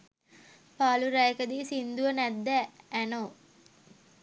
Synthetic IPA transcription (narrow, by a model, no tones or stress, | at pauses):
paːluɾæjekəd̪iːsind̪uʋənæd̪ːææno